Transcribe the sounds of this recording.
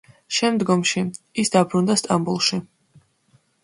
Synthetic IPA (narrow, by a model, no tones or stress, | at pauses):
ʃɛmd̪ɡɔmʃiisd̪abɾund̪ast̪ʼambulˠʃi